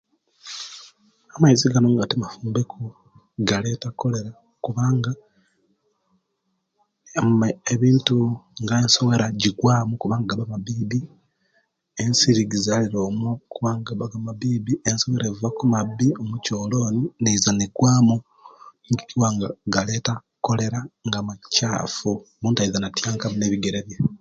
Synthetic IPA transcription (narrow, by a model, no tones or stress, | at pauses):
amaiziɡanoŋɡatimafuːmbekʰu | ɡale̞ːtako̞le̞ɾa | kuβaːŋɡa | eβiːntuŋɡaenso̞we̞ɾaɟikwaːmukuβaːŋɡaɡaβamaβiːbi | ensiɾiɡizaliɾo̞ːmokuβaːŋɡaβaɡamaβiːbienso̞weɾevvakumaβiomucoːloːninezaneɡwaːmu | ŋɡiiwaŋɡaɡale̞ːta | ko̞le̞ɾaŋɡamaca̰ːfuomuːntaiðanatjaːŋkamuneːβiɡeɾeβje